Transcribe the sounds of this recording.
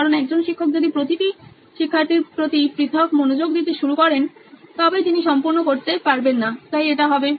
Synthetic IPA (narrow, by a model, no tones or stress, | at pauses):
kaɾonɛkd͡ʑonʃikʰːok̚d͡ʑod̪ipɾot̪iʈi | ʃikʰːaɾt̪iɾpɾot̪ipɾit̪ʰokmonod͡ʑoɡd̪it̪eʃuɾukɔɾent̪ɔbed͡ʑ̪iniʃɔmpuɾnokoɾt̪epaɾbenːat̪ajeʈaɦɔbe